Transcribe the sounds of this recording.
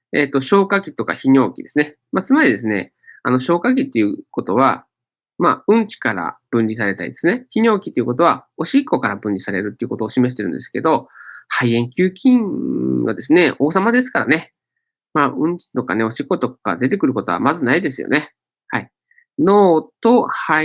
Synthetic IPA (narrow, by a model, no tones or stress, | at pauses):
e̞̰t̪ːo̞ɕo̞ːkakʲit̪o̞ka̰çiɲ̟ʲo̞ːkʲid̪e̞sɨne̞ | mat͡sɨmaɾʲid̪e̞s̬ɨne̞̰ | a̰no̞ɕo̞ːkak̬ʲit̪ːe̞ɯ̟ko̞t̪o̞β̞a | ma̰ɯ̟̃ɲt͡ɕi̥kaɾa̰b̥ɯ̟̃nʲɾʲis̬aɾe̞t̪aɾʲid̪e̞sɨneçiɲʲo̞ːkʲi̥t̪ːeiɯ̟kot̪o̞βao̞ɕikːo̞kaɾabɯ̟̃nʲɾʲisaɾe̞ɾɯt̪ːeiɯ̟kot̪oːɕime̞ɕi̥t̪e̞ɾɯ̟̃nd̪e̞sɨ̥ke̞d̪o̞haiẽ̞ŋkʲɨːkʲĩβa̰d̪e̞sɨne̞o̞ːsamad̪e̞sɨ̥kaɾane̞ | maɯ̟̃ɲ̟t͡ɕi̥t̪o̞kane̞o̞ɕikːo̞t̪o̞kkad̪e̞t̪̬e̞kɯ̟ɾɯ̟ko̞t̪o̞a̰mazɨnaid̪e̞sɨjo̰ne̞ | hai | no̞ːt̪o̞ha